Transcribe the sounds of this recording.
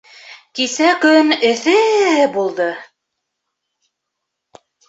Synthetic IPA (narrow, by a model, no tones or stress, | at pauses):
kisækɵnɘ̆θɘbulˠd̪ɤ